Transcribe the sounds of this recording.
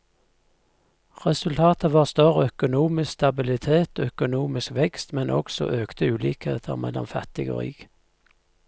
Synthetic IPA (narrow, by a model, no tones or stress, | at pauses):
ʁɛsʉlt̪ʰɑːt̪əʋɑːʁst̪øʁœkʊnuːmɪsst̪ɑbɪlɪt̪ʰeːt̪ːœkʊnuːmɪskʋɛkst̪mɛnʔɔ̰ksɔ̰ʔøːkt̪ʰəʉːlḭːkhḛːt̪ʰəʁmɛ̰lɔ̰mfæt̪ɪɡo̰ːʁḭːɡ̥